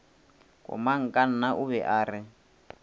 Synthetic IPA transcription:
kʼɔ̰maŋ̩kʼan̩naʔuβɛʔaːɾɪ

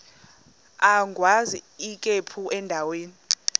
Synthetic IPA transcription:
aŋʱwaziːkʼepʰuʔɛndʱaweːni

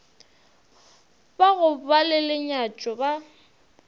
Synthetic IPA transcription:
baɣʊbalɪlɪɲat͡ʃʼɔba

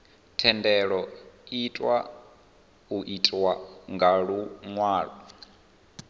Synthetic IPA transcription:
tʰɛndɛɺɔitʼwa | uʔitʼwaŋɡaɺuŋwaːɺɔ

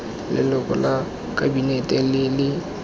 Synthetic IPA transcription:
lɪ̰lɔkʼɔla | kʼabinetʼɛlɪlɪ

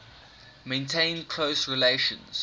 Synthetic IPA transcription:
mẽɪ̃ntʰẽɪ̃nkʰl̥oʊsɹileʃə̰̃nz̥

